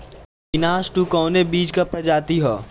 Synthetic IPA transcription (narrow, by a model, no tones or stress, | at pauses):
kɪnaːsʈukɔːnebiːd͡ʒkɐpɾɐd͡ʒaːt̪iɦoː